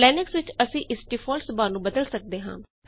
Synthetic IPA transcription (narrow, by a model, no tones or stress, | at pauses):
lɛːnɪksʋɪt͡ʃəsĩːʔɪsʈifʰɔːlsbaːnũːbəd̪əlsək̚d̪eːɦã̰ːt̪